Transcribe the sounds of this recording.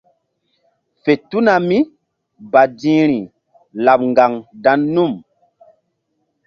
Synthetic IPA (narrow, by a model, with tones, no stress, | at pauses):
fe˨tu˦na˨mi˦ | ba˨dĩ˦ɾi˨ | la˨ɓ̚ŋɡa˨ŋda˨˦nːu˦˨m